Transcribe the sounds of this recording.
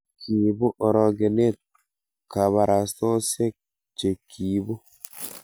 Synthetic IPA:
ki˨bu˦ʔɔ˨ɾɔ˨ɡe˨ne˦˨t̪̚ | ka˨βa˨ɾa˨stɔ˦se˦k̚ | t͡ʃe˨kʰi˨bu˦

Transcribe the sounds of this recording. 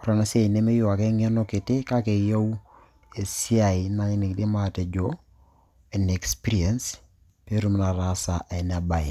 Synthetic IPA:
ɔ˨ɾa˦na˦se˦˨ne˦me˦jo˦˨a˨ke˦ŋe˦no˦ke˨te˦ka˦ke˨ja˦u˦ | e˨si˦a˨i˨na˦ɲɪ˦ni˨kdi˦ma˦te˨d͡ʒo˦ | e˨ne˨kspi˦ɾi˦e˨ns | pe˦ɾu˦m˦na˨ɾasa˨ʔe˨na˨ba˨e˨

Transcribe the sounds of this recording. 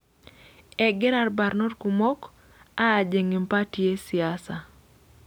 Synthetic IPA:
ɛ˨ɡɛ˦ɾa˦rba˨ɾnɔ˦rkumɔ˦k | aː˦˨d͡ʒe˨ŋi˨mpa˦tie˦si˨asa˨

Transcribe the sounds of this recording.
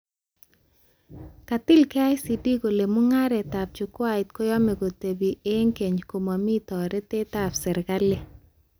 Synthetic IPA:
ka˨tɪ˦lka˦ɪ˦si˨di˦ko˨le˨mʊ˦ŋa˦ɾɛ˨ta˨p̚t͡ʃʊ˨kwa˦ɪ˨t̚ko˦jɔ˦mɛ˨ɡo˨te˨bi˨e˦ŋke˨ɲko˨ma˨mi˦tɔ˨ɾɛ˦te˦ta˨psɛ˨ɾka˦le˦

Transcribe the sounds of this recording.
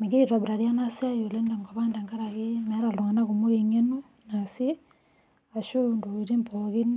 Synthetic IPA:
mi˨ɡe˦iɾa˨βiɾa˨ɾja˦na˦siajo˨lɛnda˨ŋɡaβaː˦nda˨ŋɡa˦ɾa˨ɣemɛ˦ɾa˨loŋa˨na˦kumo˦ɣe˨ɲe˦nu | nasi˦ | a˨ʃondoiɾi˦mpɔɣi˦n

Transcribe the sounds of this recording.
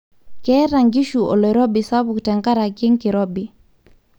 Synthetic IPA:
kɛ˦ɾa˨ŋɡi˦ʃu˨ʔɔ̰˨lɔ˨ɾɔ˦bi˨sa˦bu˨ktɛ˨ŋka˦ɾa˨ki˦ŋkɪ˨ɾɔbi˨

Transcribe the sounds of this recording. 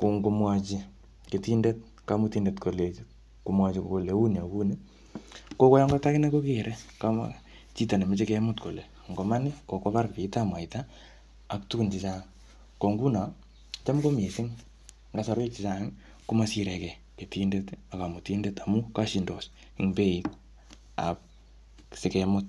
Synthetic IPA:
ku˨ŋɡu˧mwa˦t͡ʃi | ke˨ti˦nde˦t̚ | ka˦mʊ˦ti˦nde˨tko˨le˨t͡ʃ | ku˨mwa˦t͡ʃi˨koko˨le˨u˦n˨a˨ku˦ni˦ | ko˦kɔ˦ja˦ŋɡa˦ta˦kɪ˦ne˦ko˦ke˦ɾʔe˦ka̰ | t͡ʃi˦ta˨ne˨me˦t͡ʃe˦ke˦mʊ˦tko˨le˨ | ŋɡo˨ma˦nɪ˦ko˨ko˦pa˦rpi˨ta˦mwa˨itaː˦˨ | ktu˦ku˨nt͡ʃi˨t͡ʃa˦˨ | ko˨ŋɡu˦na˨ | t͡ʃa˦mko˦me˨sɪ˦ŋ | ŋɡa˨sɔ˦ɾke˦t͡ʃi˨t͡ʃa˦ŋ | ku˦ma˦si˦ɾɛ˨kɛ˨ | ke˨tinde˦ta˨ka˨mʊ˨tinde˦ta˨mu˦ka˦ʃindo˨s | iŋpe˦i˦t | a̰˨p̚ | se˨kɛmʊt̚

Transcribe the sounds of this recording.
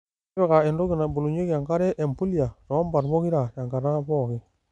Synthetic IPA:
be˦˨ka˨e˨ndo˦ɡi˨na˨bu˨lu˨ɲe˦kja˨ŋka˦ɾe˦ʔe˨mpu˦li˦a˨ɾo˨˦mba˨ɾmo˦ki˦ɾa˨ja˨ŋɡa˨ɾa˦po˦˨ki˦

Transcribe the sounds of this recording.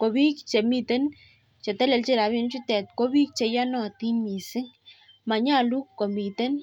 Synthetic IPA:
ko˨bi˦k̚t͡ʃe˨mi˦˧t̪e˦n | t͡ʃe˨t̪ɛ˦le˨˧lt͡ʃi˦ɾa˨˦bi˧n˦t͡ʃu˦t̪ɛ˨t̪̚ko˦bi˦k̚t͡ʃe˨˧ja˦nɔ˦˨t̪i˦nmi˨si˦ŋ | ma˨ɲa˦lu˦ko˨mi˨t̪e˦n

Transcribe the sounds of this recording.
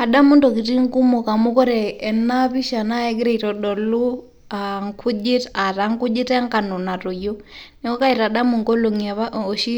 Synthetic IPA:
a˨ɗa˦mu˦ndɔ˨ki˨ti˦ŋ˦ku˦mu˨ka˨mu˦kɔ˦ɾɛː˨na˦βi˦ʃa˨na˦ɛ˦ɡɾɛ˨i˨ɾɔ˨ɗɔ˨lu˦ | a˨ŋkʰu˦d͡ʒi˦ta˨ɾa˦ŋku˦d͡ʒi˦tɛ˦ŋka˨nɔ˨na˨ɾo˨jo˦nɛ˨kɔ˦ka˦i˨ɾa˨ɗa˦mu˨ŋɡɔ˦lo˨ŋa˨βa˦o˨ʃi˦

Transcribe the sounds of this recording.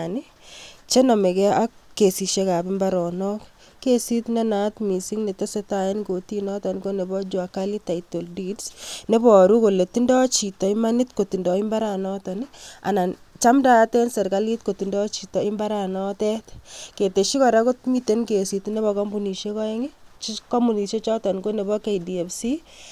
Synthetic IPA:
ni˦ | t͡ʃe˦nɔ˨me˨kɛ˦ʔa˦kkːe˨si˨ʃe˦ka˨pimbaɾɔ˨nɔ˦k | kːe˦si˦tne˦na˦tmi˨si˦ŋne˨te˦se˦taenko˨tinɔ˦tɔ˨nikone˨bɔ˦d͡ʒwakali˦ta˨ito˨ldidsne˦bɔ˨ɾu˦ko˨le˨ti˦ndɔ˦t͡ʃi˨tɔ˨ima˦nitko˨ti˨ndɔ˨i˦mba˦ɾa˨nɔtɔnia̰˨na˨n | t͡ʃa˦mda˦tɛ˦nsɛ˨ɾka˦li˦t̚ko˨ti˨ndɔ˦t͡ʃi˨tɔ˨ɪ˦mba˦ɾa˨nɔ˦tɛ˦tke˨te˨ʃi˦kɔ˨ɾa˦ko˦tmi˦te˦nke˨si˨tne˦bɔ˨kɔ˦mbu˨ni˨ʃe˦kɔ˦ɛ˦ŋit͡ʃkɔ˦mu˨ni˨ʃe˦t͡ʃɔ˦tɔ˨nko˦ne˨bɔ˦ke˨idie˨fsi˦

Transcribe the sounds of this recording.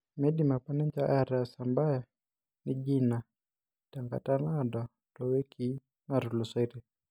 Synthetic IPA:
me˦dima˨pa˦nɛ˦ɲd͡ʒa˦ʔaɾa˨samba˦ja | ni˦d͡ʒina˨ | ta˨ŋɡa̰˨ta˦na˦dɔ˨ | tɔwe˦kʰi˦ | na˨ɾu˨lu˨se˦ɾe˨

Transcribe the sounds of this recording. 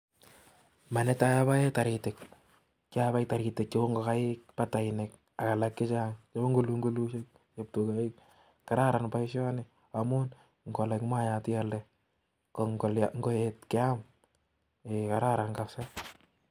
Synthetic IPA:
ma˨nɛ˦ta˦ja˦βa˦e˦ta˨ɾi˨tɪ˨k̚ | kaβa˦j̚ta˨ɾi˨tɪ˨k̚t͡ʃɔ˦o˦ŋɡɔ˨ka˦ɪk̚pata˨ɪnɪk̚ | a˨ka˨la˨kːɪ˦t͡ʃaŋt͡ʃoo˦ŋɡu˦luŋɡu˦lu˦ʃe˦k̚ | t͡ʃe˨p̚tu˨kaɪk | kːa˨ɾa˦ɾa˨npa˦ɪʃjɔ˦nɪ | amu˦n | ŋɡɔ˨la˨kma˦ja˨tɪ˦jalɛ | kɔŋɡɔlaŋɡɔ˨jetkɪ˦am | eka˨ɾaɾa˨nkasa

